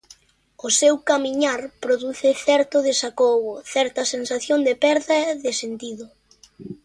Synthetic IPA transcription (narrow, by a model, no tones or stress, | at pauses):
ʊsɛwkamiɲaɾpɾoðuθɪθɛɾt̪ʊðɪʃakoβʊθɛɾt̪ɐsensaθjoŋd̪epɛɾðɐeðɪsent̪iðʊ